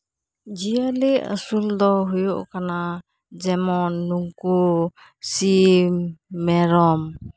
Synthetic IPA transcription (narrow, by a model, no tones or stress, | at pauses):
d͡ʒialeə̰suld̪ɔɦujuʔkana | d͡ʒɛmɔnːuŋku | simmɛɾɔm